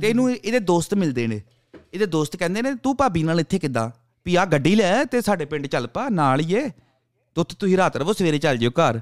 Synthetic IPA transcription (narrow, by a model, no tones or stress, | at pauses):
t̪eːnũːɪd̪eːd̪oːst̪mɪld̪eːneː | ɪd̪eːd̪oːst̪kɛ̃ːnd̪eːneːt̪uːpaːbiːnaːlɪt̪ʰːeːkɪd̪a̰ː | piaːɡəɖːiːlɛːt̪eːsaːɖeːpɪ̃ɳɖt͡ʃəlpaːnaːlijeː | t̪ʊt̪ʰt̪ʊsĩːɾaːt̪ɾʋoːsəʋeːɾeːt͡ʃəld͡ʒeːoːkəɾ